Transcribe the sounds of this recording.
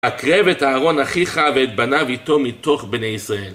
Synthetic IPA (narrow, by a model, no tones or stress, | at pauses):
hakʁevetaːʁo̞naχiχavet̪̚banavitomit̪oχbnejisʁael